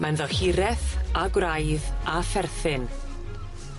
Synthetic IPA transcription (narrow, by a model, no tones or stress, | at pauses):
manðɔhɪɾɛθaɡwrajðafɛrθɪn